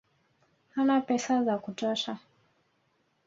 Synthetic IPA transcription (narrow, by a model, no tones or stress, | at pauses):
hanapɛsazakutɔʃa